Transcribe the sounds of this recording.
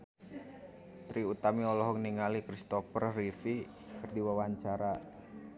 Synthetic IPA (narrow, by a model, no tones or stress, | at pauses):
t̪ɾiut̪amiɔlɔɦɔŋniŋalikɾist̪ɔfərrifi | kərdiwawaɲt͡ʃaɾa